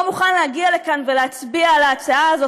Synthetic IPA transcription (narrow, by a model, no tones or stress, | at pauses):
muχanlehaɡiale̞kanveleat͡sbialaːt͡saaːzo